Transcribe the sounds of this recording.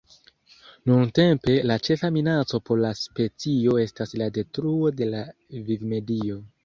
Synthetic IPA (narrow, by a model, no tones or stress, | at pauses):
nunte̞mpe̞lat͡ʃe̞faminat͡so̞po̞ɾlaspe̞t͡sio̞e̞staslade̞tɾuo̞de̞la | vivme̞dio̞